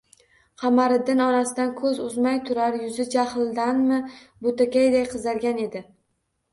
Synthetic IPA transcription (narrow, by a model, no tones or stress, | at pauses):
qʰɑmaɾɪd̪ɪnɒnasɪd̪ankʰɵzʊzmajt̪ʰʊɾaɾjʊzɪd͡ʒahlˠd̪anmɪbʊt̪akʲajd̪ajqʰɨzaɾɡʲane̞d̪ɪ